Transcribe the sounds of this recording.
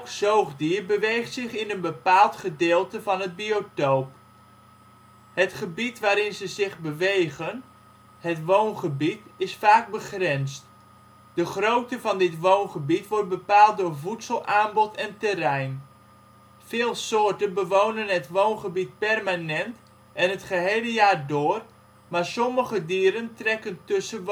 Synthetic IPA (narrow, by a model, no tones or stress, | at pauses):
ksowχdiːrbəʋejχtsɪχɪnənbəpaːlˠtχədɪːlˠtəvɑnɦət̚biotowp | hətχəbitʋaːɾɪnzəzɪχbəʋejɣən | hətʋownχəbitɪsfaːk̚bəχrɪnst | d̥əχrowtəvɑndɪtʋownχəbitʋɔrt̚bəpaːlˠt̚dʊːrvutsəlˠʔaːnbɔtɛntərɛjn | fɪːlˠsoːrtənbəʋownənɦətʋownχəbit̚pɛrmanɛnt | ɛnɦətχəɦejləjaːrdʊːər | maːɹsɔməɣədiːɾəntrɛkəntɵsə